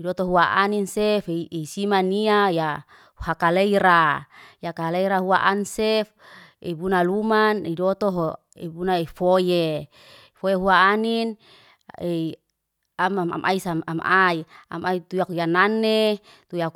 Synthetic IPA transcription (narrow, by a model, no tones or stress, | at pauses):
idɔt̪oɦuaʔaninsefesimaniaja | hakaleiɾajakaleiɾaɦuaʔansefḛbunalumanidɔt̪oɦo | ebunaefoje | fojeɦuaːnin | e | amma̰mʔa̰isamamʔaia̰mait̪ujakjananet̪ujak